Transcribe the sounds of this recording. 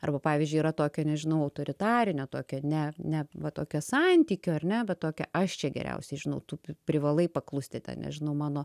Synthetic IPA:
ɐ̰rbɐpɑːʋʲizʲd͡ʒʲʊiɾɐt̪oːkʲoːnʲɛʒʲɪnɐʊɐʊt̪oːɾʲɪt̪ɑːɾʲɪnʲot̪oːkʲɛnʲɛnʲɛʋɐt̪oːkʲosɑnʲt̪ʲiːkʲoːɐrʲnʲɛbʲɛt̪t̪oːkʲɛ̰ʔɐʃt͡ʃʲɛɡʲɛ̰ɾʲɛ̰ʊsʲɛɪʒʲɪnɐʊt̪uːpʲɾʲɪʋɐlˠɐɪpɐklˠʊsʲt̪ʲɪt̪ʲɛ̰nnʲɛ̰ʒʲɪnɐʊmɑːnoː

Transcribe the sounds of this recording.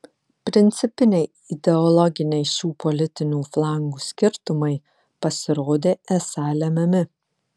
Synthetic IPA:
pʲɾʲɪnʲt̪sʲɪpʲɪnʲɛɪ | ɪd̪ʲɛɔlˠɔɡʲɪnʲɛɪʃʲuːpɔlʲɪt̪ʲɪnʲuːflˠɑˑŋɡuːsʲkʲɪɾt̪ʊmɐɪ | pɐsʲɪɾoːd̪ʲeːɛsɑːlʲɛmʲɛmʲɪ

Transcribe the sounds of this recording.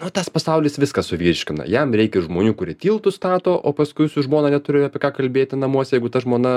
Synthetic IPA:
nʊt̪ɑspɐsɐʊlʲiːsʋʲɪskɐssʊʋʲiːɾʲʃʲkʲɪnɐ̰jɛmɾʲɛɪkʲɛɪʒmoːnʲuːkʊɾʲiɛtʲiːlˠt̪ʊst̪ɑːt̪oːʔoːpɐskʊɪsʊʒmoːnɐnʲɛt̪ʊɾʲɪɑpʲiɛkɑːkɐlʲbʲeːt̪ʲɪnɐmuɔsʲɛjɛɪɡʊt̪ɐʒmoːnɐ

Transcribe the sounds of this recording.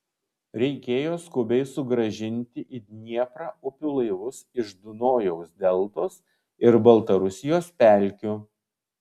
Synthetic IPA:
ɾʲɛɪkʲeːjoːskʊbʲɛɪsʊɡɾɐʒʲɪnʲt̪ʲɪʔɪd̪ʲnʲiɛpɾɑːʊpʲʊlˠɐɪʋʊsɪʒd̪ʊnoːjoʊsd̪ʲɛlˠˑt̪oːs | ɪɾbɐlˠt̪ɐɾʊsʲɪjoːspʲæˑlʲkʲu

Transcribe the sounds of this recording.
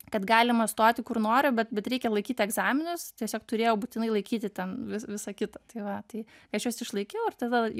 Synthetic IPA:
kɐt̪ɡɑːlʲɪmɐst̪oːt̪ʲɪkʊrnoːɾʲʊbʲɛt̪̚bʲɛt̪ɾʲɛɪkʲɛlˠɐɪkʲiːt̪ʲɪɛɡzɑːmʲɪnʊst̪ʲiɛsʲoːk̚t̪ʊɾʲeːjɛʊbuːt̪ʲɪnɐɪlˠɐɪkʲiːt̪ʲɪt̪ʲɛnʋʲɪsʋʲɪsɐkʲɪt̪ɐt̪ɐɪʋɐt̪ɐɪkɐɪɐʃjoːsɪʃlˠɐɪkʲɛʊɪrt̪ɐd̪ɐ

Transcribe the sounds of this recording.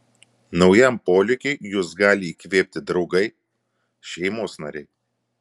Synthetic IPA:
nɒʊjæmpoːlʲɪkʲʊɪjusɡɑːlʲɪiːkʋʲeːpʲt̪ʲɪd̪ɾɒʊɡɐɪ | ʃʲɛɪmoːsnɐ̰ɾʲɛɪ

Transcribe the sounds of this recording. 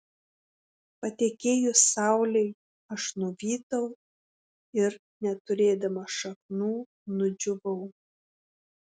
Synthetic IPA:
pɐt̪ʲekʲeːjʊsɑwlʲej | ɐʃnʊʋʲiːt̪ɐw | ɪɾ | nʲɛt̪ʊɾʲeːd̪ɐmɐʃɐk̚nuː | nʊd͡ʒʲʊʋɐʊ

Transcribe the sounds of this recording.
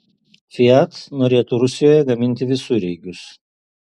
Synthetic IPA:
fʲɪat̪noːɾʲeːt̪ʊɾʊsʲɪjoːjɛɡɐmʲɪnʲt̪ʲɪʋʲɪsʊɾʲɛɪɡʲʊs

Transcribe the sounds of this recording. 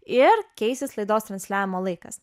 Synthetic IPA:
ɪɾkʲɛɪsʲɪslˠɐɪd̪oːst̪ɾɐnʲsʲlʲæːʋʲɪmoːlˠɐɪkɐ̰s

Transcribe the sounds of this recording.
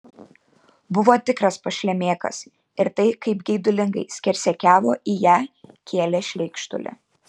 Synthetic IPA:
bʊʋoːt̪ʲɪkɾɐspɐʃʲlʲɛmʲeːkɐ̰s | ɪɾt̪ɐɪkɐɪpɡʲɛɪd̪ʊlʲɪŋɡɐɪsʲkʲɛɾʲsʲɛkʲæːʋoːʔijæːkʲʰeːlʲɛʃʲlʲɛɪkʃt̪ʊ̰lʲɛ̰

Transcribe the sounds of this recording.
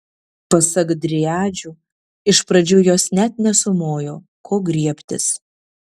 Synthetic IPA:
pɐsɐɡd̪ʲɾʲɪæːd͡ʒʲu | ɪʃpɾɐd͡ʒʲuːjoːsnʲæt̪nʲɛsʊmoːjoː | kʰoːɡɾʲiɛpʲt̪ʲɪ̰s

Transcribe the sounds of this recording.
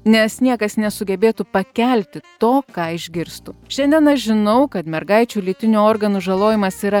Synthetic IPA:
nʲɛsnʲiɛkɐsnʲɛsʊɡʲɛbʲeːt̪upɐkʲɛlʲt̪ʲɪt̪oːkɑːɪʒʲɡʲɪɾst̪ʊʃʲɛnʲd̪ʲiɛnɐʃʒʲɪnɐʊkɐt̪mʲɛɾɡɐɪt͡ʃʲuːlʲit̪ʲɪnʲuoːɾɡɐnuʒɐlˠoːjɪmɐsiːɾɐ

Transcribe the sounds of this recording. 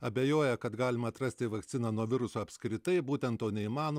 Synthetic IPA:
ɐbʲeːjoːjɛkɐt̪ɡɑːlʲɪmɐːt̪ɾɐsʲt̪ʲɪʋɐkt̪sʲɪnɑːnuɔʋʲɪɾʊsoːɐpʲskɾʲɪt̪ɐɪbuːt̪ʲɛnt̪t̪oːnʲɛimɑːno

